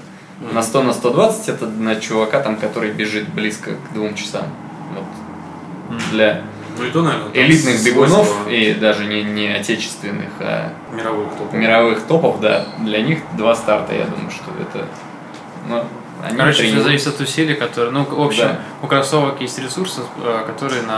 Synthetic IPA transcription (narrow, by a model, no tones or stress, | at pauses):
nɐst̪onəst̪o̞d̪vat̪sɨ̥tʲɛt̪ənət͡ɕʊvɐkat̪amkɐt̪o̞ɾɨjbʲɪʐɨt̪̚blʲiskəɡd̪vumt͡ɕɪ̥sa̰m | vo̞t̪ | d̪lʲa | nuɪt̪onɐvʲeɾnɪlʲit̪nɨxbʲɪɡʊno̞fid̪aʐɨnʲɪnʲɪɐtʲet͡ɕɪ̥st̪vʲɪnːɨ̰xa̰ | mʲɪɾɐvɨt̪omʲɪɾɐvɨxt̪o̞pəfd̪a̰d̪lʲɐnʲixd̪vast̪art̪ə̰ja̰d̪ṵməɨjʊʂt̪o̞̰ɛ̰t̪ə̰ | nu | ɐ̰nʲiiɾopɾʲizɐvisʲɪt̪ɐt̪ʊsʲilʲɪjəkɐt̪oɾɨnuopɕd̪aɪ | ʊkɾɐsovəkjesʲtʲɾʲɪsursɨkɐt̪o̞ɾɨjənɐ